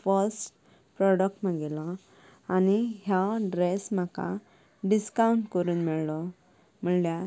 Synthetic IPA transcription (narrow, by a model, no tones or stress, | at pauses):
fəɾsʈ | pɾɔɽək̚ʈmaɡelɔ | añiɦjaɖɾesm̤aka̰ | ɖiskauɳʈkəɾuːnmɛɭlɔ | m̤əɭlja